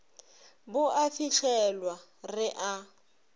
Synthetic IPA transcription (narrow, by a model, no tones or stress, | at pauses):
bʊʔafiɬʰɛlwa | rɪʔa